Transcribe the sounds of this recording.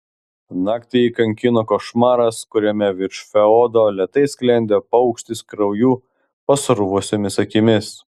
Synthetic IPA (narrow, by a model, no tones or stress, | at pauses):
nɑːkt̪ʲɪikɐŋʲkʲɪnokoʃmɑːɾɐskʊɾʲɛmʲɛʋʲɪɾʃfʲɛɔd̪oːlʲɛt̪ɐɪsʲklʲɛnʲd̪ʲepɐʊkʃʲt̪ʲɪskɾɐʊjuː | pɐsɾʊʋʊsʲɛmʲɪsɐkʲɪmʲɪs